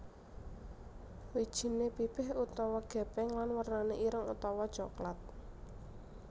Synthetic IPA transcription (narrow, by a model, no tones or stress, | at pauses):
wid̥ʒ̥i̤nepib̥ɪɦut̪ɔwɔɡ̥ɛ̤b̥ɛŋlanwərnaneʔiɾəŋut̪ɔwɔd̥ʒ̥ɔklat̪̚